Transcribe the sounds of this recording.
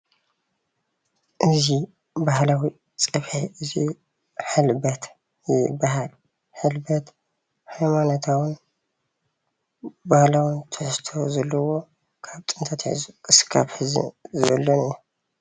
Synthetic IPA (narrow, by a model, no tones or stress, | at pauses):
ʔɨzi | bahlawi | t͡sʼɐβħiʔɨzi | ħɨlbɐt̪ | ibaɦal | ħɨlbɐt̪ | hajmanɐt̪ʰawɨn | bahlawɨnt̪ʰɨħst̪ʰo̞zɐlːɐwo̞ | kʰaβt̪ʼɨnt̪ʰat̪ħḭzukʼɨskʰaβħɨzɨ̰nzɨβɐ̰lːonɨju